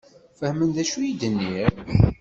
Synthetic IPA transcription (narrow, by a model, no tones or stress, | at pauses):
fəhmənðæʃujid̪ənːiɾ